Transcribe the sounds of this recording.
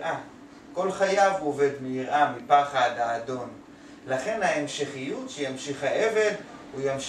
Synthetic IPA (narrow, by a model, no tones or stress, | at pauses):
ʔa | ko̞lχajavuove̞dmijiʁʔamipaχadhaːdo̞n | laχe̞nhaemʃeχijutʃejamʃiχhaʔe̞ve̞dujamʃ